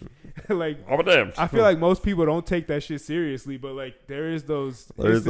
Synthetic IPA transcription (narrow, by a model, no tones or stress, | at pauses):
laɪkamədæ̃maɪfilaɪk̚moʊspʰipl̩ˠɾõʊ̃ntʰeɪk̚ðɨtʃɪtsɪɹiɨslibʌt̚laɪk̚ðə˞ɪzðoʊz̥ə̰